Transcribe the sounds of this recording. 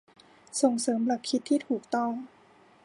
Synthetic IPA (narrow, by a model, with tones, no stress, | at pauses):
so˨˩ŋsɤː˩˦mla˨˩kʰːi˦t̪ʰːiː˥˩t̪ʰuː˨˩k̚t̪ɔ˥˩ŋ